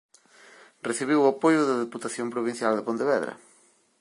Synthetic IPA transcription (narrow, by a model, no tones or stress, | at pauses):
reθiβ̞iwapojʊðɐðeput̪aθjõmpɾoβĩn̟θjald̪ɪpõnt̪eβɛðɾɐ̰